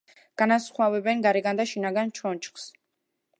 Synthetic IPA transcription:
ɡ̥anasχwavɛbɛnɡaɾɛɡand̪aʃinaɡant͡ʃʰɔnt͡ʃʰχs

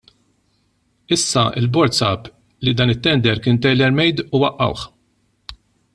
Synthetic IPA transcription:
ɪsːɐɪ̰lbɔɾt̪sɐːp | lid̪ɐːnɪt̪ːɛnd̪ɛɾkɪːnt̪ɛjlɛɾmɛjd̪uwɐʔːɐ̰wħ

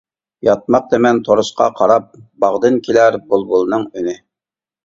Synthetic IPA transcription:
jɑt̪̚mɑq̚d̪emɛnt̪ʰoɾuʃqɑ̰qʰɑɾɑp̚bɑʁd̪ɨnkʲʰilæɾbolˠbulˠnɨŋynɪ

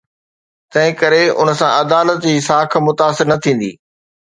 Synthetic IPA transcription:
t̪ɐ̃ɦɪ̃kɐɾeʊ̰nəsãʔɐd̪aːlət̪d͡ʑiːsaːkʰmʊt̪aːsɪɾnɐt̪ʰĩːn̆d̪ḭː

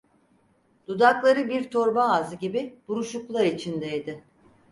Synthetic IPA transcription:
d̪̥ud̪aklˠaɾɯbiɾt̪ʰo̞ɾbaːzɯɟibib̥uɾuʃuklˠaɾit͡ʃʰind̪ɛjd̪ɪ

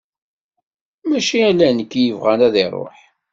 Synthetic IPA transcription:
mæʃiælænəkːjəvʁænæðiɾˤo̰ħ

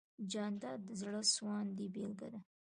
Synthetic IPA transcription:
d͡ʒɑnd̪ɑɾd̪əzɽəswɑnd̪ibelɡa̰d̪a

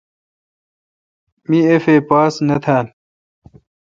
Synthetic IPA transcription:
miefeːpaːsnɐt̪ʰaːn

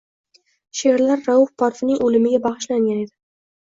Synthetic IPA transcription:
ʃeɾlaɾːawʊfpʰɑɾfɪnɪŋolɪmɪɡʲabɑʁɨʃlaŋɡʲane̞d̪ɪ

